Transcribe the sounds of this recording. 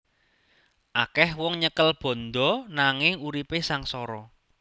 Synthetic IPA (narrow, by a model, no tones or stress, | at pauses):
ʔakɛhwɔŋɲəkəlb̥ɔ̤nd̪ɔ̤naŋɪŋuɾipesaŋsɔɾɔ